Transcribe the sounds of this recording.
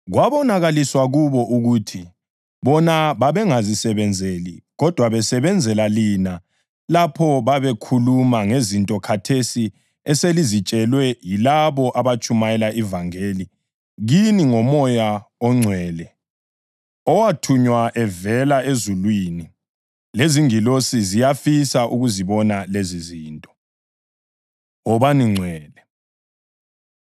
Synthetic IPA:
ɣwaβɔnaɣaliswaɣuβɔʔuɣutʰi | βɔnaβaβɛŋazisɛβɛnd͡zʱelḭɣɔd̥ʱwaβɛsɛβɛnd͡zʱɛlalina | lapʰɔβaβɛkʰulumaŋezintʼɔkʰatʰesi | ɛselizit͡ʃʼɛlwɛjilaβɔʔaβat͡ʃʼumajɛlaʔivaŋeːli | ɣiniŋɔmɔjaɔŋ͡ǀʱwɛːlɛ | ɔwatʰuɲwaʔɛvɛlaezulwiːni | leziŋilosizijafisaʔuɣuziβɔnaleziziːntʼɔ̥ | ɔβaniŋ͡ǀʱwɛːlɛ

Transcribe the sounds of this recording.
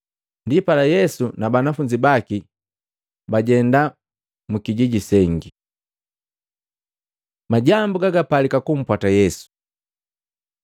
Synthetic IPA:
ndipalajɛsunabanafuɲd͡ʒibaki | baɟɛnda | mukiɟiɟisɛŋɡi | maɟambuɡaɡapalikakum̩pwatajɛsu̥

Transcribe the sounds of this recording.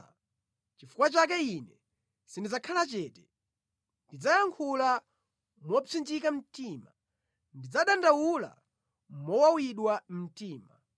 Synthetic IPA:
t͡ʃifukwat͡ʃak̬ɛinɛ | sindid͡zakʰalat͡ʃɛːtɛ | ndid͡zajaŋkʰula | mwɔt͡sind͡ʒikam̩tima̰ | ndid͡zaɗandawula̰ | mɔwawiɗwam̩tiːma

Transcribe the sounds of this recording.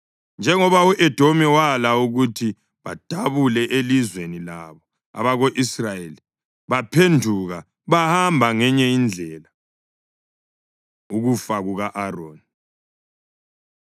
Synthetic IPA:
nd͡ʒʱɛŋɔβauʔɛd̥ʱomɛwalauɣutʰi | βad̥ʱaβulɛʔelizwenila̰βɔ | a̰βaɣoʔisrajeli | βapʰendʱuɣa | βahambʱaŋɛɲɛind͡ɮʱɛːla | uɣufaɣuɣaʔaro̰ːni

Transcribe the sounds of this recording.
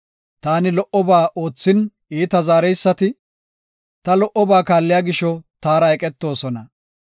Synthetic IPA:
t̪aːnɪlɔʔɔbaːʔo̞ːt͡sːɪn | iːt̪ɐzaːɾɛjsːɐt̪ɪ | t̪ɐlɔʔɔbaːkaːlːɪjaːɡɪʃɔt̪aːɾɐɛkʼɛt̪ːo̞ːsɔnɐ

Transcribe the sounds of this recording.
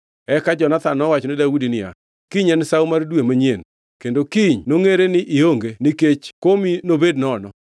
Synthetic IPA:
ɛkad͡ʒɔnat̪anɔwat͡ʃɔnɪdaudinɪja̰ | kiɲɛnsawmardwemaɲjen | kendokiɲnoŋeɾenɪʔɪoŋɡeniket͡ʃkominobednɔnɔ

